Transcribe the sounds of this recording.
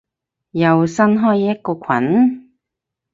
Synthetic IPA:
jɐ˨wsɐ˥nɦɔː˥jjɐ˥t̚kɔː˧kʷʰɐ̰˨˥˦n

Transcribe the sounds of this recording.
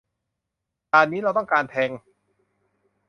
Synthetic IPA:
t̪aː˧nːiː˦˥ɾa˧wt̪ɔ˥˩ŋkaː˧nt̪ʰɛː˧ŋ

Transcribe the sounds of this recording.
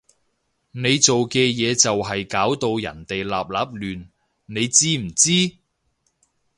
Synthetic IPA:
ne˨˧jt͡so˨wkɛː˧jɛː˨˧t͡sɐ˨wɦɐ˨jkaː˨˥wt̪o˧wjɐ̰˨˩nt̪e˨jlaː˨p̚laː˨˥p̚lyː˨n | ne˨˧jt͡siː˥m̩˨˩t͡siː˥

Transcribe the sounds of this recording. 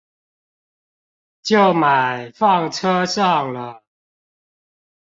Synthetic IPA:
t͡ɕjo˥˨˩ʊma˨˩ɪfɑ˥˨ŋʈ͡ʂʰɤ˥ʂɑ˥˨ŋlə˩

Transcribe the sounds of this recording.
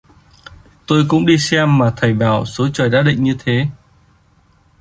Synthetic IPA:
t̪o˧jkʊ̰˧˥ŋ͡mɗi˧sɛ˧mːaː˨˩t̪ʰa˨˩jɓaː˧˩wso˨˦t͡ɕəː˨˩jɗaː˧˦˥ɗḭ˧˨ŋ̟ɲɨ˧t̪ʰe˨˦

